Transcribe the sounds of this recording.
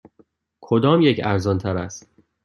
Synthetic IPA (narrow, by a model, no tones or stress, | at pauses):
kʰod̪ɒːmjecʰæɾzɒnt̪ʰæɾæst̪